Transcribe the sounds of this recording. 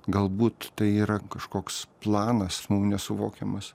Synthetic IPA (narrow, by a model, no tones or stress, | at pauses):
ɡɐlˠbuːt̪t̪ɐɪiːɾɐkɐʃkoːksplˠɑːnɐsmɐmnʲɛsʊʋoːkʲɛmɐs